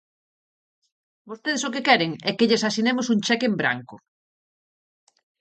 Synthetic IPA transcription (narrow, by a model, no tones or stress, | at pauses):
bost̪eð̞esokekɛɾeŋɛkeʎesasinemosuŋt͡ʃɛkembɾa̰ŋkʊ